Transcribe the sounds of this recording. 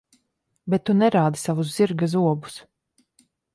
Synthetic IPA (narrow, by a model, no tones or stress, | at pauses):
bɛt̪ːunɛɾaːd̪isavuzziɾɡazuɔbu̥s